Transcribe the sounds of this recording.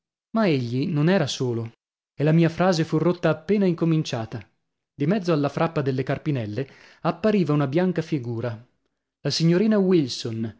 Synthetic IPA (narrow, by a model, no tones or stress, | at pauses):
maeʎːinonɛːɾasoːlo | elːamiːafɾaːzefurːot̪ːaːpːeːnaiŋkomint͡ʃaːt̪a | d̪imɛd̪zoalːafɾʔapːad̪elːekarpinɛlːe | apːaɾiːvaunabjaŋkafiɡuːɾa | lasiɲːoɾiːnawilson